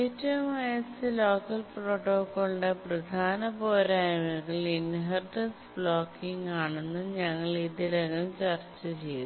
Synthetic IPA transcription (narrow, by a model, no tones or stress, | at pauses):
eːtːɐʋɐmɐjsɨlo̞ːkːɐlproːʈːoːkːoːɭɖeprɐd̪ʱaːnɐpoːɾaːjɐmɐkːɐɭinɦɐrʈɐnsbɭoːkːiŋɡaːɳunːuɲɐŋːɐɭiðilɐŋɐmt͡ɕɐrt͡ɕːɐt͡ɕe̞ju